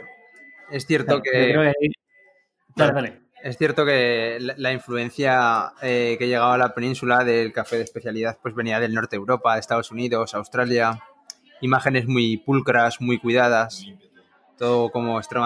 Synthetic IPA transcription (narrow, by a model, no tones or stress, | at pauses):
e̞sθje̞ɾt̪okeo | daleðale | e̞sθje̞ɾt̪o̞ke̞laiɱfluẽ̞n̟θjaeke̞ʝe̞ɣ̞aβalape̞nĩnsulaðe̞lkafe̞ðespe̞θjaliðaθpwe̞zβe̞niaðe̞lno̞ɾt̪eewɾo̞paðe̞st̪aðo̞suniðo̞sawst̪ɾalja | imaxe̞ne̞zmwuipulkɾasmujkwiðað̞as | t̪o̞ðoko̞mo̞ekst̪ɾe